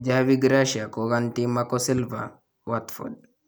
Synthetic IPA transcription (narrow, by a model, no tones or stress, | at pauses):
d͡ʒawiɡɾaʃiakɔɡant̪imakɔsilva̰ | wat̪fɔ̰d̚